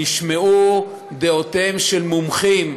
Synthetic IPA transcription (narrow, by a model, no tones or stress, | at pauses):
iʃmeu | d̪eot̪emʃelmumχim